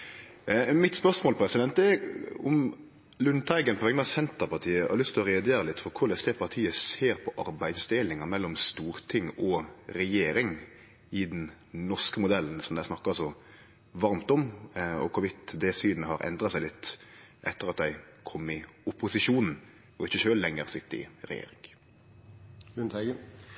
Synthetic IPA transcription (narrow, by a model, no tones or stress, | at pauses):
mɪt̪spœɾsmoːlpʰɾɛsɪd̪ɛnt̪̚d̪ɛʊm | lʉnt̪ʰæɪɡənpʰɔʋɛŋənɑːʋsɛnt̪əɾpɑɾt̪ʰiːəɑ̰ɾlʏst̪lɔɾɛd̪eːɾəlɪt̪ːfɔɾkʰʊɾd̪ɛsd̪ɛpʰɑʁt̪ʰiːəseːɾpʰɔʔɑɾbæɪd̪sd̪elɪŋɑmɛlːɔmst̪uːɾt̪ʰɪŋɔɾɛjeːɾɪŋ | ɪd̪n | nɔʂkəmʊd̪ɛln̩sɔmd̪æɪsnɑkːɑsɔ | ʋɑɾmt̪ɔmɔ̰kʰʊɾʋɪt̪ːd̪ɛsyːnəhɑɾʔɛ̰nd̪ɾɑsæɪɪt̪ː | ʔɛt̪ːəɾɑt̪̚d̪æɪ | kʰɔmːɪʊpʊsɪʃuːnn̩ | ɔɪçːəʃøːllɛŋːəɾsɪt̪ːəɾɪ̰ɾɛ̰jḛːɾɪ̰ŋ | ʉnt̪ʰæ